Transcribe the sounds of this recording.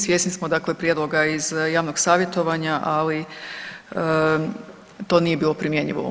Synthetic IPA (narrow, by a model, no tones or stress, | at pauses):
sʋjesnismod̪aklepɾje̞d̪loɡaizjaːʋnoɡsaːʋjet̪o̞ʋaɲaʔali | ə | t̪o̞ːnije̞biːlˠo̞pɾimje̞ɲḭʋo̰